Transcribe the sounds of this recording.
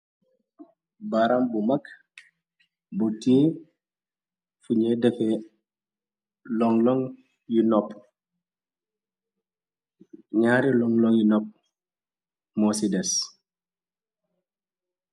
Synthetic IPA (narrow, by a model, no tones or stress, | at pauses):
baɾambumak | butiː | fuɲɛdɛfɛ | lɔŋlɔŋ | jinɔp | ɲaːɾilɔŋlɔŋjinɔp̚ | mɔsidɛs